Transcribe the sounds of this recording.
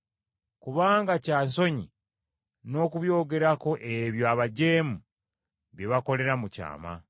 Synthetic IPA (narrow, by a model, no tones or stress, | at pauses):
kuβaːŋɡacaːnso̞ɲi | no̞ːkuβjo̞ːɡe̞ɾako̞ʔeβjoaβaɟe̞ːmu | βjeβako̞le̞ɾamuca̰ːma̰